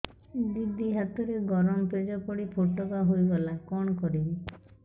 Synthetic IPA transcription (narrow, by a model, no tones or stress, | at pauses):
d̪id̪ʱiɦat̪ɔɾeɡɔɾɔmɔped͡ʒɔpɔɽipʰoʈɔbaɦojɡɔlakɔɽ̃ɔkɔɾibi